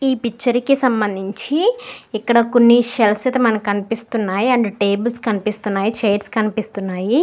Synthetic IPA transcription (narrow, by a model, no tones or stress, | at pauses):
iːpikt͡ʃːɐɾikisɐmbɐnd̪ʱiɲt͡ʃiikːɐɽɐkonːiʃelpsɐt̪ɐmɐnɐmkɐnipist̪unːaːjiɐɳɖiʈe̞ːbulskɐnipist̪unːaːjit͡ʃeːʈskɐnipist̪unːaːji